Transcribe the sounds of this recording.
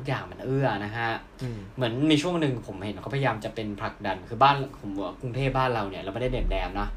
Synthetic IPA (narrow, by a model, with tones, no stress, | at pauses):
t̪ʰk̚jaː˨˩ŋma˧nʔɯ˥˩ɐna˦˥kʰa˦˥ | mɯ˩˦ənmiː˧t͡ɕʰu˥˩əŋnɯ˨˧ŋpʰo˨˩˦mhe˨˦nkʰa˧˥˩pʰja˧jaː˧mt͡ɕa˨˩pe˧npʰla˨˩k̚da˧nkʰɯː˧baː˥˩npʰo˨˩˦mu˨˩˦ɐ˦ku˧ŋt̪ʰeː˥˩p̚baː˥˩nɾa˧wni˧˩ɐɾɛː˧˥˩ma˥˩da˥˩deː˨˩p̚dɛː˧mnɔ˦˥ʔ